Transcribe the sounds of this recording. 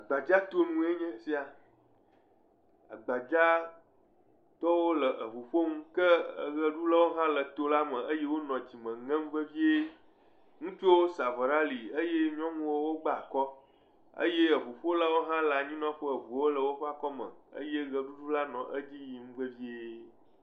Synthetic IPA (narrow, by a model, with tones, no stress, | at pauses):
a˨ɡ͡ba˨d͡ʒa˦t̪o˦nũ˨e˦ɲɛ̃˦si˦a˨ | a̰˨ɡ͡ba˨d͡ʒa˦ | t̪ɔ˦wo˦lə˨ʔə˨ɸu˨ɸo˦ŋũ˦kə˦˨ɣə˦ɖu˦la˦wo˦ɦã˦lə˨t̪o˦la˦mə̃˨ə˦je˦wo˦nɔ̃˨d͡ʑi˨mə̃˨ŋɛ̃˦m̩̃˦və˦vi˦e˦ | ŋũ˦t͡ʃo˦sa˨və˨ɖa˦li˨ə˦je˦ɲ˦ɔ̃˦ŋũ˦wo˦wo˦ɡ͡ba˦a˨kɔ˦ | ə̰˦je˦ə˨βu˨ɸo˦la˦wo˦ɦã˦la˨ɲĩ˦nɔ̃˦ɸə˦ə˨vu˨˦o˦lə˨wo˦ɸa˦kɔ˦mə̰̃˨ə̰˦je˦ɣə˨ɖu˦ɖu˦la˦nɔ̰̃˨ʔə˦d͡ʑi˦ji˨m̩̃˦və˦vi˦e˦